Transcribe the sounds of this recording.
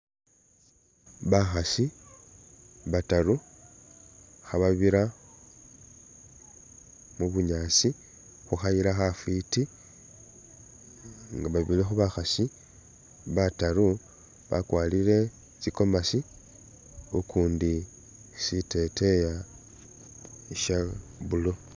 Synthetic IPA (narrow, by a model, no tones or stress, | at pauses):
βaxasi | βataɾu | xaβaβiɾa | muβuɲaːsi | xuxajiɾaxafiti | ŋɡaβaβilexuβaxasi | βataɾu | βa̰kwaːliɾe̞ | t͡ʃiko̞masi | ukuːndi | site̞te̞ja | ʃaβulo